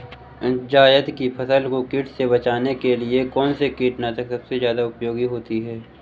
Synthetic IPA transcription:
ɪd͡ʒaːjət̪kipʰɐsəlkokɪːʈseβɐt͡ʃaːnekeliekɔːnsekɪːʈnat̪ɐksɐbsezjaːd̪aʊpjoːɡiɦoːt̪iɦɛː

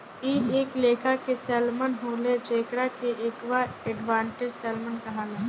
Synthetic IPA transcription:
iːeːkleːkʰakesɛːlmənɦoːled͡ʒeːkɾakeʔeːkwaɛɖʋãːɳʈed͡ʒsɛːlmənkɐɦalaː

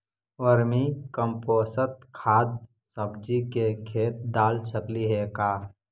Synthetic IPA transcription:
oɾmikəmpoːsət̪̚kʰaːd̪̚ | səbd͡ʒikekʰeːt̪̚d̪aːlt͡ʃʰəkliɦekaː

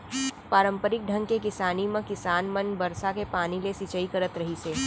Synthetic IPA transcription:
paːɾə̃mpəɾɪk̚ɖʱɐ̃ŋɡkekɪsaːnimẽkɪsaːnmɐnbɐɾsakepaːnilesit͡ʃəikɐɾət̪ɾɐɦiseː

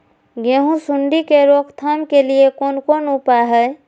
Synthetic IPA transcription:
ɡeɦũsʊɳɖikeɾoːkʰt̪ʰaːmkeliekoːnkoːnupaɦɛː

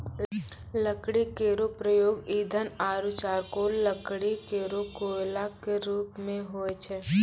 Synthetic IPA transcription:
ləkɽikeːɾopɾəjoːɡiːd̪ʱənaːɾut͡ʃaːɾkoːləkɽikeːɾokoːlakeɾuːpmẽɦoet͡ʃʰɛː

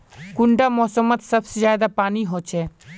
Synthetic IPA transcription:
kʊɳɖaːmɔːsəmət̪səbsezjaːd̪aːpaːniɦoːt͡ʃʰɛː

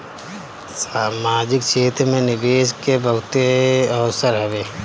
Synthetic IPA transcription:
ssaːmaːd͡ʒɪkʃeːt̪ɾmẽnɪbeːʃkebəɦʊt̪eɐʋsəɾɦɐʋeː

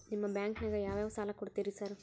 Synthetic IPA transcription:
nimːɐbjaːŋknɐːɡɐjaːʋjaːʋɐsaːlɐkɔɽt̪iɾisaːɾ

